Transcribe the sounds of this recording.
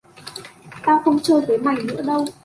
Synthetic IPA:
t̪aː˧wxə˧wŋ͡mt͡ɕəː˧˩jvʰe˨˦jma˨˩jnɨ̰˧˥əɗə˧w

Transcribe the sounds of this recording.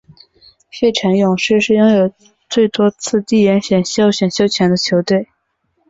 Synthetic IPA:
ɕɛ˥˩ɪʈ͡ʂʰa˧˥njʊ˨˩ŋʂɻ̩˥˧ʂɻ̩˥˩˧jʊ˥ŋjo˨˩ʊ | t͡swe˥˩ɪt̪wɔ˥t͡sʰɹ̩˥˧t̪i˥˩jɛ˧˥nɕɥɛ˨˩nɕjo˥ʊɕɥɛ˨˩nɕjo˥ʊt͡ɕʰjɛ˧˥nd̪ə˧t͡ɕʰjo˧˥ʊt̪we˥˩ɪ

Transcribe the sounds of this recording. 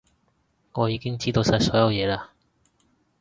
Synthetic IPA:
ŋɔː˨˧jiː˨˧kɪ˥ŋt͡siː˥t̪o˧wsɐ˧˩sɔː˨˥jɐ˨˧wjɛː˨˧laː˧

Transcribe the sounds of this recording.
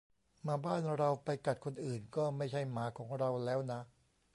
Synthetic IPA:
maː˧˥baː˥˩nɾa˧wpa˧jka˨˩t̪̚kʰo˧nʔɯː˨˩nkɔː˥˩ma˥˩jt͡ɕʰa˥˩jmaː˩˦˥kʰɔː˩˦ŋɾa˧wlɛː˦˥wna˦˥

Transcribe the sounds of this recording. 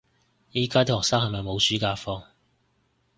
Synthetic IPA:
jiː˨˧kaː˥t̪ʰɔː˨k̚saː˥k̚hɐ˨jmɐ˨jmo˨˧wsyː˨˥kaː˧fɔː˧ŋ

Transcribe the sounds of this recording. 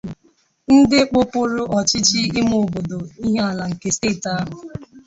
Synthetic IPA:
n̩˦dɪ˦k͡pʊ˦pʊ˦ɾʊ˦ʔɔ˨t͡ʃɪ˦t͡ʃɪ˦ɪ˦mo˨o˨bo˨do˨i˦ɦe˦a˨la˨ŋ̩˨ke˨ste˦˨ta˦ɦʊ˨

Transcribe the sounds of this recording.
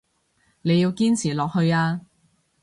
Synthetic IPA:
ne˨˧jiː˧wkiː˥nt͡sʰiː˨˩lɔː˨k̚hɵ˧ɥaː˧

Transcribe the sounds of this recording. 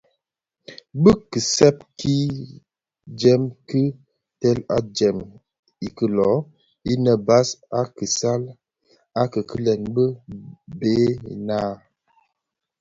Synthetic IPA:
bə˦kɨ˨sɛ˦p̚ki˦ | d͡ʒɛ˦mkɨ˦ | tɛ˦la̰˦d͡ʒɛ˨m | i˨kə˨lɔ˨˦ | i˦nə˨ba˦sa˦ki˨sa˦l | a˦kə˨kə˦lɛ˨nbə˦beː˨˦˨naː˦

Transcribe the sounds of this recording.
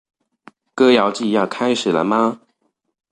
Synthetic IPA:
kɤ˥˦jɑ˧˦ʊt͡ɕi˥˨jɑ˥˨ʊkʰa˥ɪʂɻ̩˨˩lə̰˦ma˧

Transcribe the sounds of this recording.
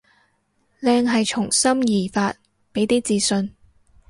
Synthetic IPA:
lɛː˧ŋɦɐ˨jt͡ʃʰʊ˨˩ŋsɐ˥mjiː˨˩faː˧t̚ | pe˨˥jt̪iː˥t͡siː˨˧sɵ˧n

